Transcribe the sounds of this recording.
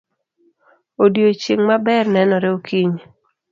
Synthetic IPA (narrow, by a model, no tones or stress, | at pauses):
odjot͡ʃeŋmabɛrnɛnɔɾeokʰiɲ